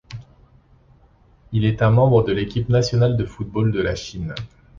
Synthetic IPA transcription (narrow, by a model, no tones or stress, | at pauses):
ilɛt̪ɛ̃mɑ̃bʁəd̪əlekʲipnasjɔnald̪əfut̪̚bold̪əlaʃin